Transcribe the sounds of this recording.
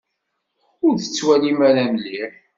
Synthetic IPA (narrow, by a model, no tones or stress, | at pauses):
ʊɾθət͡sːwælimæɾænlːiɾ